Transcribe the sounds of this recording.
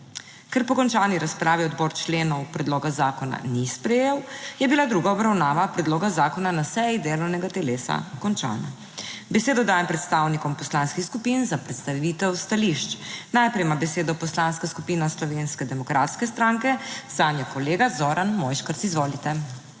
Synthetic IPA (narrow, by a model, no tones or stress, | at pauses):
kɛɾpɔkɔnt͡ʃaːniɾaspɾaːʋiɔd̪bɔːɾt͡ʃleːnɔwpɾɛd̪loːɡazaːkɔna̰nispɾɛjeːwjɛbilad̪ɾuːɡaɔbɾawnaːʋapɾɛd̪loːɡazaːkɔnanasɛjid̪eːlɔwnɛɡat̪ɛlesa̰kɔnt͡ʃa̰ːna̰ | bɛseːd̪ɔd̪aːjɛmpɾɛt̪st̪aːwnikɔmpɔslaːnskixskupinzapɾɛt̪st̪aʋiːt̪ɛwst̪aliʃt͡ʃnajpɾɛjmabɛseːd̪ɔpɔslanskaskupiːnaslɔʋenskɛd̪ɛmɔkɾʔa̰ːt̪skɛst̪ɾaŋkɛz̥aːnjakɔleːɡazoːɾanmɔjʃkəɾsizʋoːlit̪ɛ